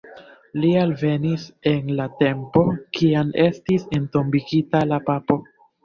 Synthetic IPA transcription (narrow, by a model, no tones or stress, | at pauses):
lialve̞nise̞nlate̞mpo̞kʰiame̞stise̞nto̞mbiɡitalapapo̞